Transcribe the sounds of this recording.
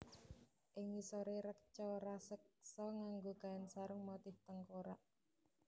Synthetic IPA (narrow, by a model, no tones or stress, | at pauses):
ʔɪŋisɔɾeɾəkt͡ʃɔɾasək̚sɔŋaŋɡoɡaɪnsaɾəŋmɔt̪ɪht̪əŋkoɾaʔ